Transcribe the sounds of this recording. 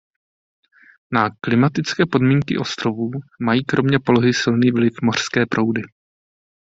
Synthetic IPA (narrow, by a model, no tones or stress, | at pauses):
naklɪmat̪ɪt͡skɛːpo̞dmiːŋkɪ̰ʔo̞st̪ɾovuːmajiːkɾo̞mɲɛpo̞loɦɪsɪlniːvlɪfmo̞r̥skɛːpɾʔo̞wdɪ